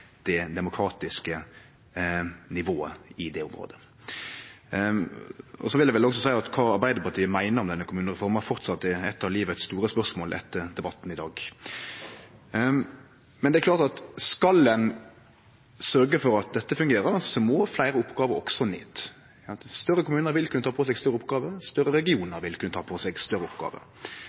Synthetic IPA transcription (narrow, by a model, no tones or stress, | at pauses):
d̪̥ɛd̪ɛmʊkʰɾɑːt̪ɪskə | nɪʋoːəɪd̪ɛʊmɾo̰ːd̪ə | ɔ̰sɔʋɪld̪ɛʋɛlɔks̬ɔsæɪɑt̪kʰɑːɑɾbæɪd̪əpɑt̪iːəmæɪnəɾɔmd̪ɛnːəkʰʊmʉːnəʁɛfɔʁmfɔɾt̪sɑt̪ːɛɛt̪ːɑʋliːʋəɛt̪st̪uːɾəspœsmoːlʔɛ̰t̪ːəɾd̪ɛbɑt̪ːn̩ɪd̪ɑːɡ | mɛnd̪ɛklɑːʁt̪ɑt̪skɑlːən | sœɾɡəfɔɾɑt̪̚d̪ɛt̪ːəfʉŋɡeːɾəɾsɔmɔflæɪɾəʊpɡɑːʋəɾɔ̰ksɔnḛːt̪ | sɑnt̪st̪œrəkʊmʉːnəɾʋɪlkʰʉnːət̪ʰɑːpʰɔs̬ɛɡst̪œɾːəʊpɡɑːʋəst̪œɾːəɾɛɡɪuːnəɾʋɪlkʰʉnət̪ʰɑːpʰɔsɛɡst̪œɾːəʊpɡɑ̰ːʋə̰